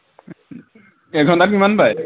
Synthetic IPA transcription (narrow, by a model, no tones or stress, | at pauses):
ɛɡʱɔntatkimanbaj